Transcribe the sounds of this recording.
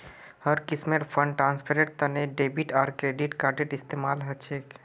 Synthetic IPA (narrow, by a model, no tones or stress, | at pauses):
həɾkɪsmeɾpʰə̃ɳɖʈɾãːnspʰeɾeʈ̚t̪əneɖeːbiʈaːɾkɾeːɖiʈkaːɾɖɪʈɪst̪eːmaːlɦɐt͡ʃʰeːk